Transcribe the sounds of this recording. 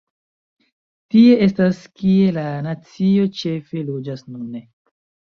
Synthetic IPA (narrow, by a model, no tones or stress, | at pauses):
tie̞ʔestaskie̞lanat͡sio̞t͡ʃe̞fe̞lod͡ʒasnune